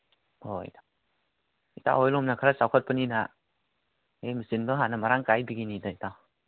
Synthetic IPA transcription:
hoj̰tḁ | ita̰ɦojlɔmnakʰaɾasawkʰət̚pənina | emisinbɯɦanɐmaɾaŋkajbiɡinidaitaw

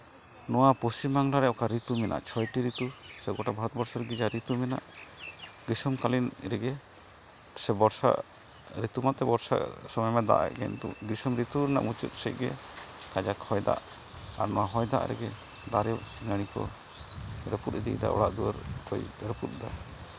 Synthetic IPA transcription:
nɔwapost͡ʃimaŋlaɾɛʔɔkaɾit̪umɛnʔa̰ʔt͡ʃʰɔjʈiɾit̪usɛɡɔʈabʱaɾɔt̪̚bɔɾsɔɾɡid͡ʒaɾit̪umɛna̰ʔ | ɡisɔmkalinɾɛɡɛ | sɛbɔɾsa̰ | ɾit̪umat̪ɛbɔɾsa̰sɔmɔjmɛd̪a̰ʔa̰ʔɡɛ̰nd̪ṵɡisɔmɾit̪uɾɛna̰ʔmut͡ʃut̪̚sɛc̚ɡɛ̰kad͡ʒakʰɔjd̪a̰ʔ | a̰ɾnɔwaɦɔjd̪a̰ʔɾɛ̰ɡɛ | d̪aɾɛnəɽ̃ikɔ̰ | ɾɛput̪d̪ḭd̪a̰ʔɔ̰ɽa̰ʔd̪uə̰ɾkɔjɾəput̪̚d̪a̰

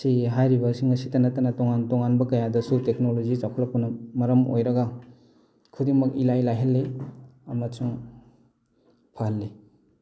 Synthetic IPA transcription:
siɦajɾibɐsiŋɐsitɐnɐtɐnɐtoŋantoŋanbɐkɐjadɐsutek̚nolozizakʰulɐpunːɐmɐɾɐmo̰jɾɐɡɐ | kʰudiŋmɐkilajlajɦɐlːeɐmɐsʰuŋ | pʰahlːi

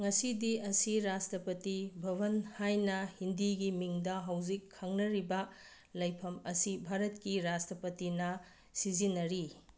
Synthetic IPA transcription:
ŋɐsidiɐsiɾastɾɐpɐtibʱɐβɐnhajnɐhindiɡimiŋdɐɦɐwzikʰːɐŋnɐɾibɐ | lɐjpʰɐmɐsibʱaɾɐtkiɾastɐpɐtinɐ | sizinɐɾi

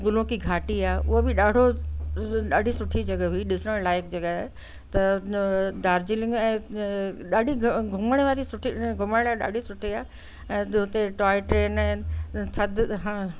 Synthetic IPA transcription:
ɡʊlõkiɡʱaːʈiaːʔʊɦebɪɗaːɽʱo | ɗaːɖʱisʊʈʰid͡ʑɐɡəɦuiɗɪsəɽ̃laːɪk̚d͡ʑɐɠə | t̪ɐ | d̪aːɾd͡ʑilɪ̃ŋɡɛ̃ː | ɗaːɖʱiɡʱʊməɽ̃ʋaːɾisʊʈʰiɡʱʊməɽ̃ɽ̃aɗa̰ːɖʱisʊʈʰiaː | ɛ̃ːɦʊt̪eʈaːɪʈɾeːnɛ̃ːt̪ʰɐd̪ɦãː

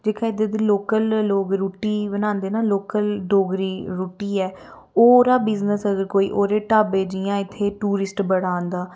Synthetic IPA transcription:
d͡ʒeːkʰaːd̪eːd̪iːloːkəlːoːɡɾuːʈiːbənaːnd̪eːnaːloːkəlɖoːɡɾiːɾuːʈiːɛː | oːɾaːbɪznəsəɡəɾkoːḭːʔoːɾeːʈaːbeːd͡ʒiːãːɪt̪ʰːeːʈuːɾɪsʈbəɽaːnd̪aː

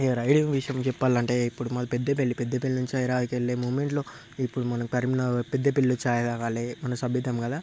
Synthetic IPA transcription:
eʋɐɾaːjɽiʋiʂjɐmt͡ʃɛpːaːlɐɳʈe̞ːipːuɽumɐlɐpɛd̪ːɐpeɭːipɛd̪ːɐpilːnuɲt͡ʃiɐjɾaːd̪ikeɭːeːmuːʋmeɳʈloː | ipːuɽumɐnɐkʈɐɾminɐpɛd̪ːɐpilːut͡ʃaːjɐd̪aːkaːlimɐnɐsɐbʱjid̪ɐmkɐd̪aː

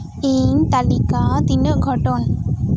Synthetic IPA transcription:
int̪alikat̪inəʔɡʱɔʈɔn

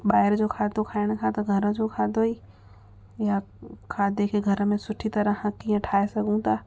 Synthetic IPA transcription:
ɓaːɪɾd͡ʑoːkʰaːd̪ʱokʰaːɪɽ̃̆kʰãt̪ɐɡʱɐɾə̃d͡ʑokʰaːd̪ʱoiː | jakʰaːd̪ʱekʰeɡʱɐɾmẽsʊʈʰit̪ɐɾəhɐ̃kiːə̃ʈʰaːesɐɡʱũt̪ʰaː

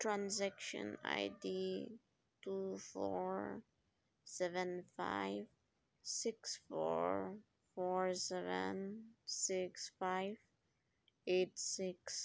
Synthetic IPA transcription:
tʰɹãnzɛkʃə̰̃na̰ɪdi | tufɔɹ | sɛvə̃nfa̰ɪv | sɪksfɔɹ | fɔɹsɛvə̃nsɪksfaɪv | etsɪks

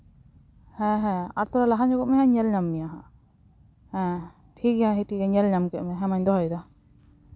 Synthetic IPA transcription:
hɛ̃ɦɛ̃aɾt̪ɔɾalaɦad͡ʒɔkɔʔmɛɦɛ̃ɲɛlɲamːijaɦa | hɛ̃ | ʈʰikjaɦiʈʰikɛɲɛlɲamkɛʔmɛɦɛ̃maɲd̪ɔɦajd̪a

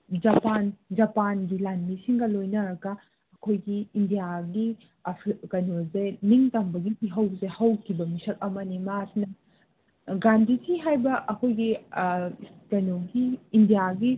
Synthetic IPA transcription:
d͡ʒɐpand͡ʒɐpanɡilanmisiŋɡɐlojnɐɾɐɡɐ | ɐkʰojɡiːndijaɡi | ɐpʰkɐnozeniŋtɐmbɐɡiiɦɐwzehɐwkʰibɐmisɐk̚ɐmɐnimasnɐ | ɡandisʰiɦajbɐʔɐkʰojɡi | kɐnoɡiːndijaɡi

